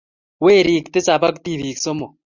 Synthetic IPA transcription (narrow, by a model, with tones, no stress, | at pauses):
weː˦˨ɾi˦˨kt̪e˦t͡sa˨pa˦k̬t̪i˦˨βi˨ksɔ˦mɔ˨